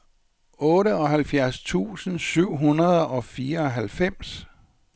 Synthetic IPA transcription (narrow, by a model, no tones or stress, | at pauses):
ɔ̽ːɾəɒ̽ɦælfjæɐst͡sʰṵːsn̩syʊ̰ɦunɐð̞ˠɒ̽fiːɐɒ̽ɦælfem̰s